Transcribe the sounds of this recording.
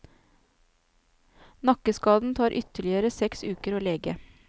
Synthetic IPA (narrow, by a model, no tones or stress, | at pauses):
nɑkəskɑːd̪n̩t̪ʰɑːɾʔʏt̪əɭɪəɾəsɛksʉːkəɾoːleːɡə